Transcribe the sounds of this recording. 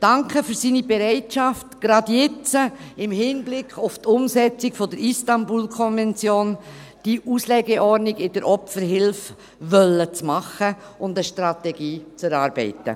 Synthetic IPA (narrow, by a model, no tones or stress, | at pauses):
d̥ɑŋkʰəfɵɾsiːnibɛɾɛɪtʃɑftɡ̥ɾɑdjɛt͡səɪmhɪnblɪkʰχʊftʊmsɛt͡sɪɡfodəɾistɑnbuːlkʰɔnvɛnt͡sjoːn | d̥iʔuːslɛɡɛʔɔɾnɪɡɪdəɾʔɔpfəɾɦɪlf | vœlːət͡smɑχə | ʊndəʃtɾɑtɛɡiːt͡sɛɾɑːɾbɛ̰ɪtə̰